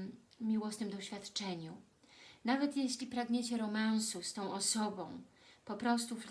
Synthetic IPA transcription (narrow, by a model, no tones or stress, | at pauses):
mʲiwɔsnɘmd̪ɔɕfʲjat̪t͡ʂɛɲu | navɛt̪jeɕlʲipɾaɡɲet͡ɕɛɾɔmãñsust̪ɔ̃w̃ʔɔsɔbɔ̰̃w̃ | pɔpɾɔst̪uf